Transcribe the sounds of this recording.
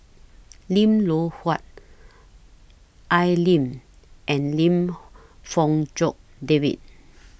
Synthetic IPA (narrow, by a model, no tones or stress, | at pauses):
lĩmlohwat̚ | ʔajlĩm | ʔɛ̃nlĩm | fɔ̃ŋd͡ʒɔk̚devḭt̚